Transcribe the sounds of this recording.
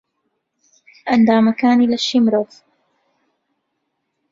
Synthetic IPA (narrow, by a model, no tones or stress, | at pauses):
ʔɐnd̪aːmɐkaːniːlɐʃimɾoːf